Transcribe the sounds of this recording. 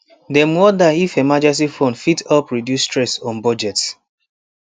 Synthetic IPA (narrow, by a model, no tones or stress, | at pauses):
demwɔdaifemad͡ʒɛs̬ifõnfitʰɔpɹidjustɹɛsɔ̃nbɔd͡ʒɛt